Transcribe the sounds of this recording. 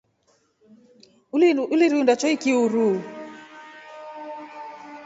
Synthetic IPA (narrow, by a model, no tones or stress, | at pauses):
uliɾundat͡ʃɔikiuɾu